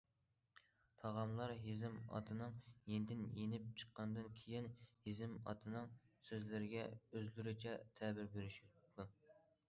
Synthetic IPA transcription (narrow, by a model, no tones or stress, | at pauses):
t̪ʰɑʁɑmlˠɑɾɦizɪmɑ̰t̪ʰɨnɨŋjenɪd̪ɪnjenɪp̚t͡ʃʰə̥qːɑnd̪ɨnkʲʰejinhizɪmɑ̰t̪ʰɨnɨŋsøzlɪɾɪɡʲɛøzlyɾyt͡ʃʰɛt̪ʰɛbɪɾbeɾyʃud̪u